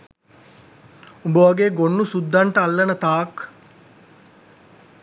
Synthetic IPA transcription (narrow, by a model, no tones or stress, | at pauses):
ubəʋaɡeːɡonːusud̪ʱːaɳʈəalːənət̪aːk